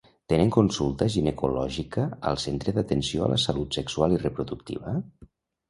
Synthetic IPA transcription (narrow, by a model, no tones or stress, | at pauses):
t̪eneŋkunsulˠt̪əʒinəkulɔʒikəə̰lˠsent̪ɾəðət̪ənsioə̰lʔə̰səlut̪səkswalˠirəpɾuðukt̪ḭβə